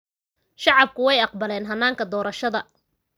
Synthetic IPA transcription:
ʃɑʕɑb̚kʰʊwɛjɑqbɐlɛːnɦɐnːaːŋkʰɐd̪ɔːɾɐʃɐðɐ

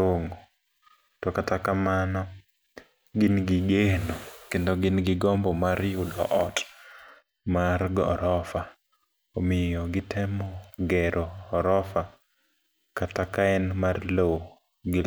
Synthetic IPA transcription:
oŋ | tɔkatakamanɔ | ɡɪnɡɪɡenokendoɡɪnɡɪɡɔmbɔmaɾjudɔ̰ʔɔt | maɾɡɔ̰ɾɔfa | omɪjoɡɪtʰɛmɔɡɛɾʔoːɾɔfa | katakaɛnmarlo | ɡɪl

